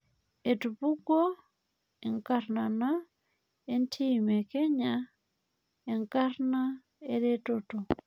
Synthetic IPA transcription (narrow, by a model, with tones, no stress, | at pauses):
e˨tu˨pu˦ɡo˦ | ɛ˨ŋka˨ɾna˨na˦ | e˦ntʰi˦˨me˨kɛ˦ɲa˦ | e˨ŋka˦rna˦ | e˦ɾe˦toto˨